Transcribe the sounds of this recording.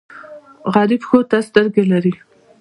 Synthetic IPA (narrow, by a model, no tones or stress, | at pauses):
ɣɑɾɪbxot̪ast̪əɾɡelaɾi